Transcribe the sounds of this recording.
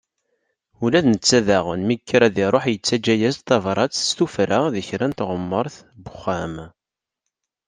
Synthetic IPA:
ulæðnət͡sːæðæʁə̰nmikːɾæðiɾˤoħjət͡sːæd͡ʒæjæzt̪ːɑvɾˤɑt͡sst̪ufɾaðəçɾænt̪ʁəmːəɾˤθ | bəχːæm

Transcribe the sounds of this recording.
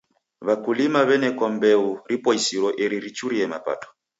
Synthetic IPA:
βakulimaβɛnɛkɔmbɛuɾipɔisiɾwɔʔɛɾiɾit͡ʃuɾiɛma̰pa̰tɔ̥

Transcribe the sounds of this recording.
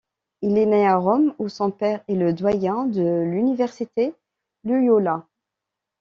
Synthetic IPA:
ileneaʁɔmosɔ̃pɛʁeləd̪wajɛ̃d̪əlynivɛʁsit̪e | lyjola

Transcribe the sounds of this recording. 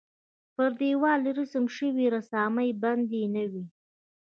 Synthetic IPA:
pəɾd̪ewɑlɾəsəmʃəwiɾasɑːmajband̪enəwi

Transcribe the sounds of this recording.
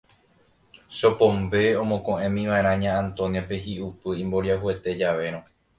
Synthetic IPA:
ʃopõmbe̞õmõkõʔẽmĩʋaeɾ̃ãɲãːãnt̪o̞niapeɦiupɨĩmbo̞ɾiaɦue̞t̪e̞d͡ʒaʋe̞ɾ̃õ

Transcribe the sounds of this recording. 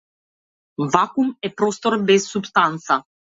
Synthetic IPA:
vakumɛpɾost̪oɾbɛsːupst̪ant̪sa

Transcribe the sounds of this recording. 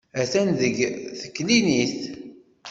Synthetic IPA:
æθænðəɡθə̥kːliniθ

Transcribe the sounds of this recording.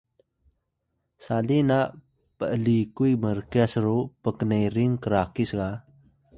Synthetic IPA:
salinaʔ | pəʔlikujməɾkjasəɾupəkənəjɾiŋkəɾakisɡa

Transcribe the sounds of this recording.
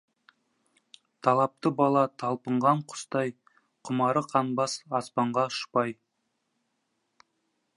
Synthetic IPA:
t̪ʰɑlˠɑp̚t̪əbɑlˠɑt̪ʰɑlˠpəɴʁɑɴqʰʊ̥st̪ɑj | qʰʊmɑɾəqʰɑnbɑsɑspɑɴʁɑʊʃpɑj

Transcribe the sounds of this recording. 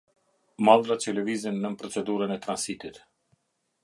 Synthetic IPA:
malˠdɾat͡ʃəlɛvizənːəmpɾɔt͡sɛd̪uɾənɛt̪ɾansit̪it̪

